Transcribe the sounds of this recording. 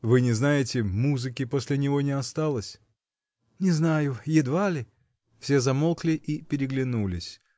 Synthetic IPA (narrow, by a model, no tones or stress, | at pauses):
vɨnʲɪznajɪtʲɪmuzɨkʲɪposʲlʲɪnʲɪvo̞nʲɪɐst̪alˠəsʲ | nʲɪznajʊjɪd̪valʲɪ | fsʲe̞zɐmolˠklʲɪʔipʲɪɾʲɪɡlʲɪnulʲɪ̰sʲ